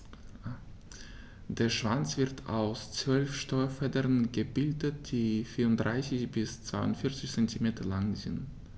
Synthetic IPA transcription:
d̥eːɐʃv̥ant͡sv̥ɪɐtʰa̰ʊst͡sv̥œlfʃtɔɐfɛdəʁənɡəbɪldət̚d̥iːfiːʊntd̥ʁaɪsɪçb̥ɪst͡sv̥aɪʊntfɪɐt͡sɪçt͡sɛntimeːtɐlaŋzɪ̰nt

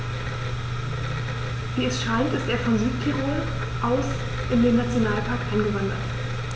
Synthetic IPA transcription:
viːɛsʃaɪtɪsteːɐfɔnzyːtkʰiʁuːɐ | ʔaʊs | ʔɪndeːnːat͡sjonaːlpʰaɐkʔaɪnɡəvandɐ̰t

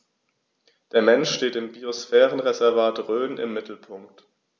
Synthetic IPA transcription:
d̥eːɐmɛnʃʃteːtɪmbiosfɛːʁənʁezɛɐvaːtʁøːnʔɪ̰mːɪtl̩pʰʊŋkt

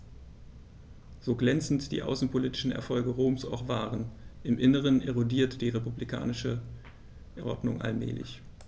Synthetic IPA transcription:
z̥oːɡlɛnt͡sn̩td̥ḭːʔa̰ʊsn̩pʰoliːtɪ̥ʃn̩ɛ̰ɐfɔlɡəʁoːmsaʊχv̥aːʁənʔɪmʔɪnəʁ̞əneʁodiːɐtd̥iːʁepublikʰa̰ːnɪʃə | ʔʔɔ̰ɐdnʊŋʔa̰lmɛ̰ːlɪ̰ç

